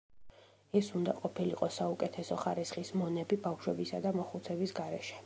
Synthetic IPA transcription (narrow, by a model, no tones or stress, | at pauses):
ɛsund̪a̰qʼɔpʰilḭqʼɔsaukʼɛt̪ʰɛsɔχaɾisχismɔnɛbibafʃwɛbisa̰d̪amɔχut̪sʰɛbisɡaɾɛ̰ʃɛ̥